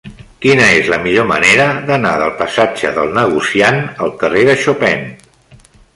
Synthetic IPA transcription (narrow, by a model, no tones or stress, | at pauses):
kinəezləmiʎomə̰neɾəðənaðəlˠpəsad͡ʒə̰ðəlˠnəɣ̞usianəlˠkəreðəʃopɛn